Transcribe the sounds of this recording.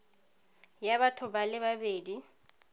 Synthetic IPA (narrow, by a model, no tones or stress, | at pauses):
jaβatʰʊbalɪβabeːdi